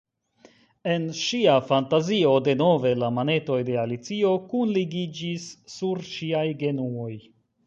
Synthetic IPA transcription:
e̞nʃiafantazio̞de̞no̞ve̞lamane̞to̞jde̞alit͡sio̞kunliɡid͡ʒisːuɾʃiajɡe̞nuo̞j

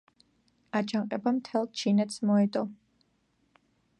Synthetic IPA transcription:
ad͡ʒaŋqʼɛbamt̪ʰɛlˠt͡ʃʰinɛt̪smɔɛd̪ʼɔ

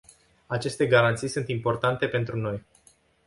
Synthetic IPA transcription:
at͡ʃe̞st̪e̞ɡaɾant̪sijsunt̪impo̞rt̪ant̪e̞pe̞nt̪ɾuno̞j

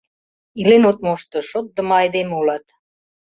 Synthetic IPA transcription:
ilenot̪̚moʃt̪ŏʃot̪̚d̪ə̆mɑɑjd̪emeulɑt̪

